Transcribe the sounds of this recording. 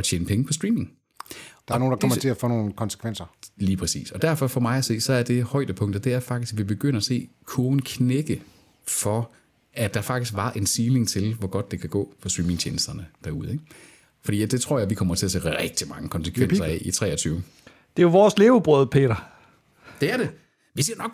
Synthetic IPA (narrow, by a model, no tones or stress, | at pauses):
ɒt͡ɕʰḛːnəpʰeŋəpʰɒ̽sd̥ʁiːme̝ŋ | d̥aæɐno̝ːn̩dakʰmɐt͡sʰe̝æfɔːno̝ːn̩kʰɒ̽nsə̥kʰʋen̰sɐliːpʰʁɛsḭːsɒ̽d̥æɐ̰fɒ̽fɒ̽mɑ̈ɪæse̝̰ːsɒ̽æɐd̥e̝hɒ̽ɪ̰d̥əpʰɔ̽ŋ̰d̥ɐd̥e̝æɐfɑ̈ɡ̥d̥isɡ̥ʋib̥e̝ɡ̥øn̰ɐæse̝̰ːkʰoːn̩kʰneɡ̥ə | fɒ̽ | æd̥ɑ̈æfɑ̈ɡ̥d̥isɡ̥ʋɑ̈ʔe̝nsiːle̝ŋt͡sʰe̝lʋɒɡ̥ɒ̽d̥ːe̝kʰæɡ̥ɔ̰ːfɒ̽swiːmeŋt͡ɕʰeːnəsd̥ɐnəd̥æɐuð̞ˠe̝ɡ̥ | fɒ̽d̥ḭːjd̥e̝t͡sʰʁo̝ɐ̰jɑ̈ɪʋikʰɒ̽m̰ɐt͡sʰe̝æsḛːʁɛɡ̥̚d̥imɑ̈ŋəkʰɒ̽nsə̥kʰʋensɐɛit͡sʰʁɛ̰ːɐt͡sʰyːʊ | d̥e̝joʋɒːsle̝ːʊb̥ʁœð̞̩ˠpʰe̝̰ːɾɐ | d̥e̝æɐɾ̥e | ʋiseɐnɒ̽ɡ̥